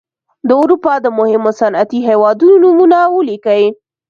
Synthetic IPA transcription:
d̪əʊɾupɑd̪əmʊhɪmosanat̪iɦewɑd̪unonumunawəlikəwi

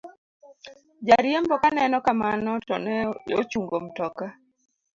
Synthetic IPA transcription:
d͡ʒaɾjembɔkanɛnɔkamanɔtɔnɛot͡ʃuŋɡom̩tɔka

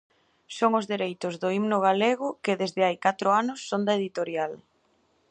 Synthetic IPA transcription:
soŋʊzðeɾejt̪ʊzðʊimnʊɣaleɣ̞ʊkɪðezðɪajkat̪ɾʊanʊsːond̪ɐeðit̪oɾjal

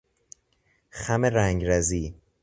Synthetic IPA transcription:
xæmeɾæŋɟɾæziː

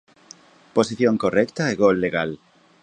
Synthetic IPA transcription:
posiθjõŋkorɛkt̪aeɣolːeɣal

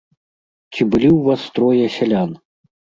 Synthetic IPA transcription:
t͡sʲibɨlʲiwvast̪ɾɔjɐsʲalʲan

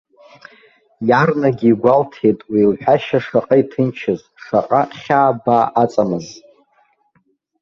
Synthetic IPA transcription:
jarnaɡʲiːɡʷaltʰe̞jtʼwiːlħʷᶣaʃaʂaqʼaitʰɨnt͡ʃʰɪz | ʂaqʼaχʲaːbaʔat͡sʼamɨz

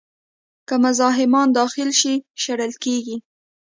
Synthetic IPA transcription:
kəmʊzɑɦɪmɑnd̪ɑxɪlʃiʃaɽəlkeɡi

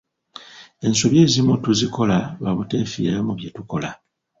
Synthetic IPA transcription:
e̞nsoβje̞ːzimutuziko̞laβaβute̞fḭɾamuβje̞tuko̞la

